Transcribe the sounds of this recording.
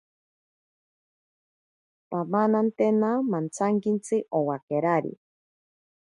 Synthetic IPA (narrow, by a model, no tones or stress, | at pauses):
pamanant̪enamant͡saŋkint͡sɨʔowakeɾaɾḭ